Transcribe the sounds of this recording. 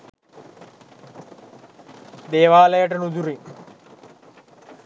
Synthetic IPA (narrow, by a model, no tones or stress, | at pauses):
d̪ɛːʋaːlɐjɐʈɐnud̪uɾi